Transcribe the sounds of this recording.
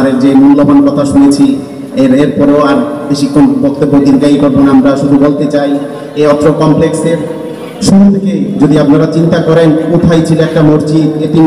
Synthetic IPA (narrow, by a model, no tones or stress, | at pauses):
aɾeɾd͡ʑemullobankɔt̪ʰaʃunet͡ɕʰi | eɾeɾpɔɾeoaɾb̪eʃikʰonbok̚t̪obːod̪iɾɡaiboɾbonamɾaʃud̪ʱubolt̪et͡ɕaj | eɔt̪ːɾokɔmplekseɾ | ʃuɾut̪ʰeked͡ʑod̪iapnaɾat͡ɕint̪akɔɾenut̪ʰajt͡ɕʰiloɛk̚ʈamoɾt͡ɕid̪eʈi